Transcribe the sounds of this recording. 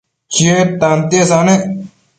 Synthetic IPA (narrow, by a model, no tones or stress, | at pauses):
set̪ant̪esaːne